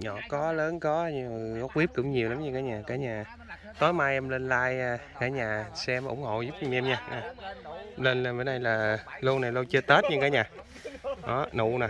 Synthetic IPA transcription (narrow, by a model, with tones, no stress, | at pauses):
ɲɔ˧˩kɔ˨˦ləː˨˦nkɔ˨˦ɲ˨˧˨kɔ˨˦kwi˦˥əp̚kʊ̰˧˦ŋ͡mɲi˨˩wla˨˦mɲɨ˧kaː˨˦jɲaː˨˩kaː˨˦jɲaː˨˩ | t̪o˨˦jmaː˧jʔɛ˧mle˧nlaː˧jaː˧kaː˨˩˦jɲaː˨˩sɛ˧m˨ʔʊ̰˧˦ŋ͡mho̰˧˨zʊ˦˥p̚ɲɨ˧ŋʔɛ˧mɲaː˧ɲaː˨˩˧ | le˧na˨˩vəː˨˦nɗa˧jlaː˨˩lə˧wna˨˩jlə˧wt͡ɕəː˧t̪ə˦˥t̚ɲɨ˧ŋkaː˨˦ɲaː˨˩ | ɗɔ˨˦nṵ˧˨naː˨˩